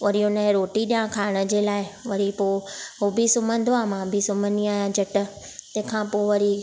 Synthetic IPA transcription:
ʋɐɾijõnəɦɛ̃ɾoːʈiɗijãkʰaːɪɽ̃ə̆d͡ʑeːlaːɪʋɐɾipoːɦobʱisʊmə̃nd̪ʱoaːmãbʱisʊməniaːjãd͡ʑɐʈə̆ | t̪ɐ̃ɦɪ̃kʰãːpoːʋɐɾi

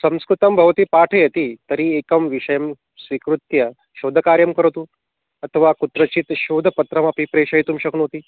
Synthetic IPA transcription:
sɐ̃mskɾut̪ɐmbʱɐʋt̪ipaʈʰəjɐt̪it̪ɐɾiekɐmʋiʃɐjɐm | sʋikɾut̪jɐ | ʃoːd̪ʱɐkaːɾjɐmkəɾt̪uː | ɐt̪ʰəʋakut̪ɾɐt͡ɕit̪ʃoːd̪ʱəpɐt̪ɾɐmɐpipɾeːʃɐjt̪umɕɐknot̪i

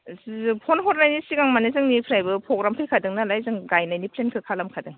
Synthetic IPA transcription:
pʰɔnɦɔɾnajnisiɡaŋmanɯzɯŋnipʰɾajbɯpʰɔɡɾampʰɯjkʰadɯŋnalajzɯŋɡajnajnipʰlenkʰɯkʰalamkʰadɯŋ

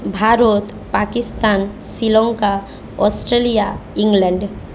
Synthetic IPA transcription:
bʱaːɾot̪ | paːkɪst̪aːn | silɔ̃ŋka | ɔːsʈɾeːlijaɪ̃ŋɡlɛ̃ɳɖ

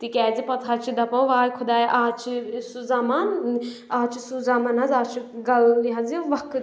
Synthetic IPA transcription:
t̪ikʲɛːd͡zipɐt̪ʰaːt͡ʃʰid̪ɐpɐwʋaːjkʰud̪aːjʔaːt͡ʃʰisuzamaːn | aːt͡ʃʰisuzamɐnɐzaːt͡ʃʰiɡɐliɦɐziʋɐk

